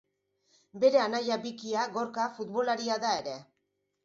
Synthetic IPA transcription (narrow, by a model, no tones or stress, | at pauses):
be̞ɾe̞anajabikiaɣoɾkafut̪βo̞laɾiaðae̞ɾe̞